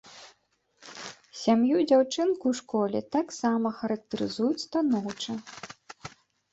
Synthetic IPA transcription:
sʲamjud͡zʲawt͡ʂɨnkuwʂkɔlʲɛt̪aksamɐxɐɾɐk̚t̪ɐɾɨzujut͡sʲst̪anɔwt͡ʂɨ

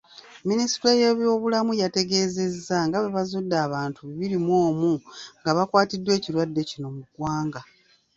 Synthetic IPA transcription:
minisi̥tajeβjo̞ːβulamujate̞ɡe̞ːze̞zːaŋɡaβe̞βazudːaːβaːntʰuβiβiɾimwo̞ːmuŋɡaβakwaːtidːwe̞ːciɾwadːe̞cino̞muɡwaːŋɡa

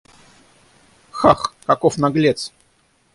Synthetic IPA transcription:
xaxkɐkofnɐɡlʲet̪s

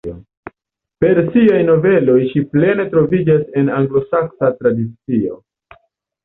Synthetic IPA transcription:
o | pe̞ɾsiajno̞ve̞lo̞jʃiple̞ne̞tɾo̞vid͡ʒase̞naŋɡlo̞saksatɾadit͡sio̞̰

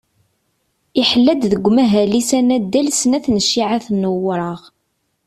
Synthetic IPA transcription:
iħəlːæd̪ðəɡʷːmæɦælisænæd̪ːælsnæθnəʃːiʕaθnːəwɾˤəʁ

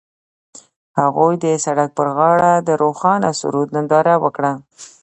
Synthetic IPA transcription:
haɣujd̪əsaɽak̚pəɾɣɑɽad̪əɾoxɑnasʊ̰ɾud̪nɪnd̪ɑɾawəkɽa

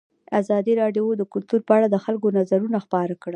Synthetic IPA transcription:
azɑd̪iɾɑɖjod̪əkʊlt̪uɾpəaɽad̪əxalɡonazaɾunaxpɑɾakɽ

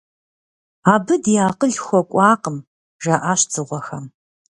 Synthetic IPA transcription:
aːbɨdjaːqəɮxʷɔkʷʼɑːqəm | ʒɐʔaɕt͡sʰʼɨʁʷɔxɐm

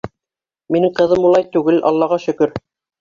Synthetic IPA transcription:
minɘŋqɤ̆ðɤmulˠɑjt̪ʉɡɘlʔɑ̰lˠːɑʁɑʃɵ̆kɵɾ

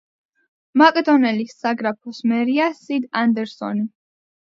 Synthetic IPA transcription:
makʼɛd̪ɔnɛlisaɡɾapʰɔsmɛɾiasid̪and̪ɛɾsɔ̰ni

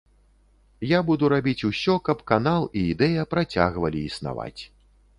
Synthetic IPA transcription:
jabud̪uɾabʲit͡sʲusʲɔkɐpkanalˠiːd̪ɛjɐpɾat͡sʲa̰ɣvɐlʲiːsna̰va̰t͡sʲ

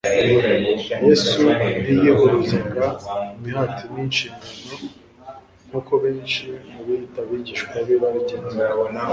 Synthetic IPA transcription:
jesunijeβoɾuziɡaumiɦatininʃiːŋɡano̞ | ŋ̥huːko̞βeːnʃimuβijitaβiɟiʃkwaβiβaɾiɟen

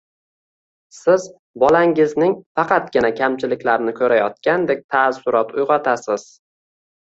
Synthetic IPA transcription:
sɪz | bɒlaŋɪznɪŋfɑqʰɑt̪̚ɡʲɪnakʲʰamt͡ʃʰɪlɪkʲlaɾnɪkʲʰɵɾajɒt̪̚kʲand̪ek̚ʲt̪ʰasʊɾɒt̪ʊjʁɒt̪ʰasɪz̥

